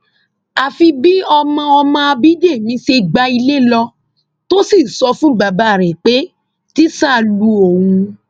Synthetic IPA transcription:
a˨fi˧bi˦ɔ˧mã˧ɔ˧mã˧a˧bi˦de˦˨mĩ˨˦ʃe˧ɡ͡ba˧i˧le˦lɔ˧ | to˦si˦˨sɔ˧fũ˦ɡ͡ba˨ba˨˦˨ɾɛ˨k͡pe˨˦ | ti˦sa˦˨lu˧õ˨ũ˧

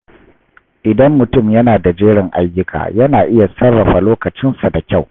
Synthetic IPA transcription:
ʔɪ˨dɐ˦mːʊ˨tʊ˦˨mjɐ˦naː˨da˨d͡ʒeː˦ɽɪ˨ŋʔa̰˦jːʊ˦kʰa̰ː˨jɐ˦naː˨ʔɪ˦ja˨sɐ˦rːɐ˨ɸa˨loː˦kɐ˨t͡ʃɪ˦nsa˨da˨kʲa˦˨w

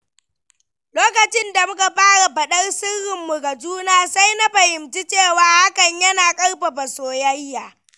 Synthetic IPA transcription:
loː˦kɐ˨t͡ʃɪ˦nda˨mʊ˦ka˨ɸaː˦ɽa˨ɸɐ˨ɗɐ˦rsɪ˦rːɪ˨mːʊ˨ɡa˨d͡ʒuː˦naː˦sa˦jna˦ɸɐ˨hɪ˨mt͡ʃi˦t͡ʃeː˦˨waː˨ha˦kɐ˨ɲjɐ˦naː˨kʼɐ˦rɸa˨bɐ˨soː˨jɐ˦jːaː˨

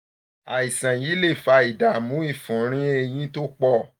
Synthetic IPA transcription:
a˨i˨sã˨ji˨˦le˦˨fa˧i˨da˨˦˨mũ˨˦i˦˨fũ˨˦ɾ̃ĩ˦e˧j̃ĩ˦to˦k͡pɔ˦˨

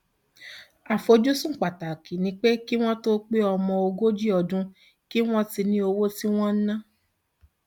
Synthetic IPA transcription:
a˨fo˧d͡ʒu˦sũ˦˨k͡pa˨ta˨ki˨nĩ˧k͡pe˦ki˦w̃ɔ̃˦to˦k͡pe˦ɔ˧mɔ̃˧o˧ɡo˦d͡ʒi˦ɔ˧dũ˦ | ki˦w̃ɔ̃˦ti˧nĩ˦o˧wo˦ti˦w̃ɔ̃˦n̩˦nã˦

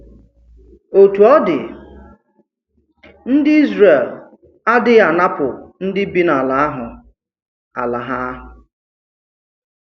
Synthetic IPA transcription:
o˨tu˨ɔ˦dɪ˨ | n̩˦dɪ˦i˦zre˨l | a˦dɪ˦a˨na˦pʊ˨n̩˦dɪ˦bi˦na˨la˨a˦ɦʊ˨ | a̰˨la˨ɦa˦ɦʊ˨

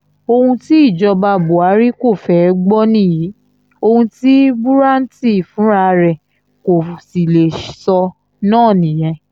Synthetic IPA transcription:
o˧hũ˧ti˦i˦˨d͡ʒɔ˧ba˧bo˨a˨˦ɾi˦ko˦˨fɛ˨˦ɡ͡bɔ˦nĩ˦˨ji˨˦ | o˧hũ˧ti˦bu˦ɾa˦n̩˦ti˦˨fũ˨˦ɾa˧ɾɛ˨ | ko˨si˨le˨sɔ˧ | nãː˦˨nĩ˨j̃ɛ̃˧

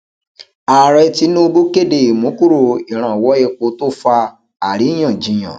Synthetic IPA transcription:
a˨ɾɛ˧ti˨˦nũ˦o˧bu˦ke˦˨de˨i˨mũ˨˦ku˦˨ɾo˨i˨ɾ̃ã˨wɔ˨˦e˦˧k͡po˧˦to˦fa˧ | a˨ɾi˨˦j̃ã˦˨d͡ʒĩ˨˦j̃ã̰˨

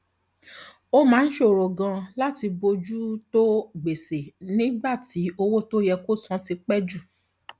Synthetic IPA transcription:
o˦mãː˨˦n̩˦ʃe˦o˨ɾo˨ɡã˧la˦ti˧bo˧d͡ʒu˦to˦ɡ͡be˨se˨nĩ˦ba˦˨ti˨˦o˧wo˦to˦jɛ˧ko˦˨sɔ̃˧˦ti˧k͡pɛ˦d͡ʒu˦˨

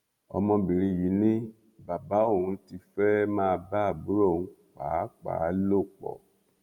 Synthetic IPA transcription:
ɔ̰˧mɔ̃˧bi˨ɾĩ˧ji˨˦nĩ˦ | ba˨ba˨˦o˦˨ũ˧ti˧fɛ˦mãː˦˧ba˦˨bu˨˦ɾo˦˨ũ˧˦k͡pa˨˦k͡pa̰˨˦lo˦˨k͡pɔ̰˨

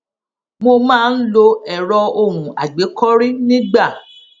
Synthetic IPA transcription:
mo˧mãː˦˧n̩˦lo˧ɛ˨ɾɔ˧o˧˨ɾũ˨a̰˨ɡ͡be˨˦kɔ˦ɾi˦nĩ˦ɡ͡ba˦˨

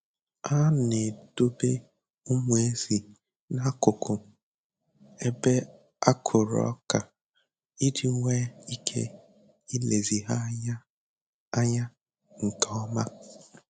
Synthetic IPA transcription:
a˦ne˨d̥o˦be˦ | ʊ˦mu˨˦e˦zi˨ | na˦kʊ˨kʰʊ˨ | e˦be˦ | a˦kʰʊ˨ɾɔ̰˦ka˨ | i˦dɪ˨˦ŋʷe˦i˦kʰḛ˦ | i˦le˨zi˨ɦa˦ɲa˦ | a˦ɲa˦ | ŋ̩˨kɔ˦ma˦

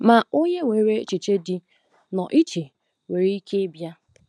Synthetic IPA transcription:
ma˨ʊ˦ɲe˦we˨ɾe˦t͡ʃi˨t͡ʃe˦dɪ˨ | nɔ˨ʔi˦t͡ʃe˨ | we˨ɾi˦i˦kʰe˦bja˦

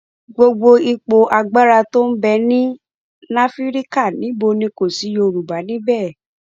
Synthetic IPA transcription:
ɡ͡bo˧ɡ͡bo˧i˧k͡po˧ʔa˧ɡ͡ba˦ɾa˧to˦n̩˦bɛ˧nĩ˦ | nã˦fi˦ɾi˦ka˦˨nĩ˨˦bo˧nĩ˧˦ko˨si˨˦jo˧˨˧ɾu˨ba˨˦nĩ˦bɛ˦˨

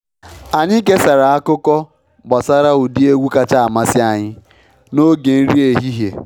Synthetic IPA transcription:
a˨ɲɪ˦k̬e˦sa˨ɾa˨a˦kʊ˦kɔ˦ | ba˨sa˦ɾa˦u˨di˦e˦ɡʷu˦ka˦t͡ʃa˦a˨ma˦sɪ˦a˨ɲɪ˦ | no˦ɡe˨n̩˦ɾi˦e˨ɦi˦ɦje˨

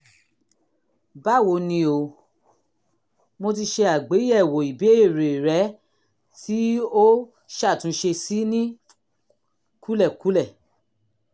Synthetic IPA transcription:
ba˦˨wo˨˦nĩ˧o˧ | mo˧t̬i˧ʃe˧a˨ɡ͡be˨˦ɛ˦˨wo˨i˨be˨˦e˦˨ɾe˨ɾɛ˨˦ | ti˨˦o˦ | ʃa˦˨tũ˨˦ʃe˧si˨˦nĩ˦ | ku˦lɛ˦˨ku˨˦lɛ˦˨

